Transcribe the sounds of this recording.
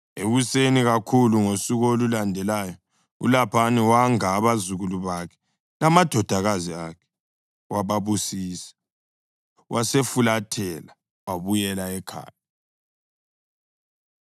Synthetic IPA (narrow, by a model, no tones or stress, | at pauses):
eɣuseniɣakʰuluŋosiɣolulandʱɛlaːjɔ | ṵlapʰaniwaŋaːβazuɣuluβakʰɛ̥ | lamad̥ʱɔd̥ʱaɣaziakʰɛ̥ | waβaβusiːsḁ | wʔasefulatʰɛla | waβujɛlaɛkʰa̰ːja